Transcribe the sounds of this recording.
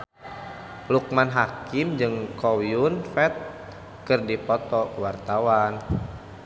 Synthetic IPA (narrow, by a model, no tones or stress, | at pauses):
luk̚manɦakimd͡ʒɨŋkɔwiunfɛt̪̚ | kɨrdipɔt̪ɔwart̪awan